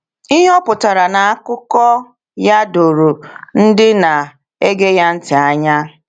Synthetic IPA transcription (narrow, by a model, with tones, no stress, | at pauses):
i˦ɦe˦ɔ˦pʊ˨ta˨ɾa˨na˨a˦kʊ˦kɔ˦ | ja˦do˨ɾo˨n̩˦dɪ˦na˨ | e˦ɡe˦ja˦n̩˦tɪ˨a˦ɲa˦